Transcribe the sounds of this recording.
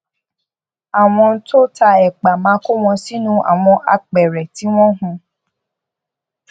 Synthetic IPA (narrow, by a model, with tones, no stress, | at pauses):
a˨w̃ɔ̃˧˦to˦ta˧ɛ˨k͡pa˨mã˨˦ko˦w̃ɔ̃˧si˦nũ˦ʔa̰˨w̃ɔ̃˧ʔa̰˧k͡pɛ˨ɾɛ˨ti˨˦w̃ɔ̃˦ɦũ˧